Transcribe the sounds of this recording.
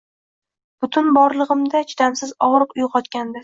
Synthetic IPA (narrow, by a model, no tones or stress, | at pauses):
b̥ʊt̪ʰʊnbɒɾlˠɨʁɨmd̪at͡ʃʰɪt̪ʰamsɪzɒʁɾɨqʊjqʰɒt̪kʲand̪a